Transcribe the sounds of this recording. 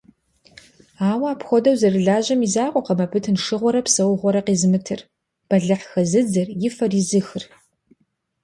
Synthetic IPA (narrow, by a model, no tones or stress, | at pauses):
aːwaːpxʷɔdɐwzɐrɨɮaːʑɐmizaːqʷʼɔqɐmɐbʰɨtʰɨnʂɨʁʷɔɾɐpsɐwʁʷɔɾɐqiːzɨmɨtʰɨr | b̥ɐɮɨħxɐzɨd͡zɨrjɪfɐrizɨxɨr